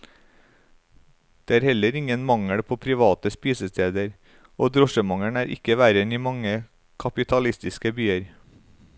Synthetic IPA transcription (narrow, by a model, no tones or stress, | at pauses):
d̪̥eːæːɾhɛləɾɪŋənmɑŋəɽpʰoːpʰɾɪʋɑːt̪əspiːsəst̪ʰeːd̪əɾ | oːd̪ɾɔʃəmɑŋəɳæːɾʔɪ̰kəʋæɾəniːmɑŋə | kʰɑpɪt̪ʰɑlɪst̪ɪskəbyːəɾ